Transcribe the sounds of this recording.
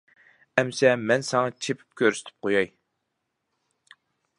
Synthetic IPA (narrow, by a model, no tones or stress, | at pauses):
ɛmsɛmɛnsɑŋɑt͡ʃʰepʰy̥p̚kʲʰøɾsy̥t̪ʰɪ̥p̚qʰojɑj